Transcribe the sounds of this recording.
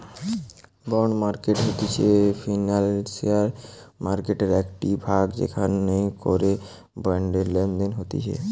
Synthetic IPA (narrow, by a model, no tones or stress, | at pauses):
bɔɳmaɾkeʈɦot̪et͡ɕʰefʰinalsiaɾmaɾkeʈeɾɛkʈibʱaɡd͡ʑḛkʰaneko̰ɾe | baɳɖeɾlend̪enɦot̪ḛt͡ɕʰḛ